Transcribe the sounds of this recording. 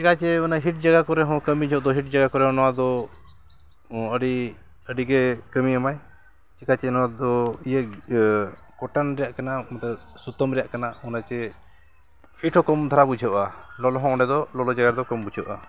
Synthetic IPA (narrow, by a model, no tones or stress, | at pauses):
t͡ʃɛkat͡ʃɛɔnaɦiʈ̚d͡ʒaɡakɔɾɛɦɔ̃kəmid͡ʒʱɔʔd̪ɔɦiʈ̚d͡ʒaɡakɔɾɛɦɔ̃nɔwad̪ɔ | əɖi | əɖiɡɛkəmiamaj | t͡ʃɛkat͡ʃɛnɔwad̪ɔijə | kɔʈanɾɛjaʔkanamat̪ɛ | sut̪əmɾɛjaʔkanaɔnat͡ʃɛ | hiʈʰɔ̃kɔmd̪ʱaɾabud͡ʒʱɔʔalɔlɔɦɔ̃ɔɖɛd̪ɔlɔlɔd͡ʒaɡaɾd̪ɔkɔmbud͡ʒʰʱɔʔa